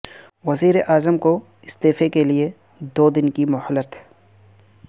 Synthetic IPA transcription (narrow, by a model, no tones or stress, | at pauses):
wɐziːɾeʔaːzəmko | ɪst̪eːfekelie | d̪oːd̪ɪnkimɔhəlːət̪ɦ